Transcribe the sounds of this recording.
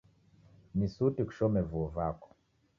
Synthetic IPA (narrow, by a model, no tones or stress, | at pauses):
nisutiku̥ʃɔmɛvuɔvakɔ̥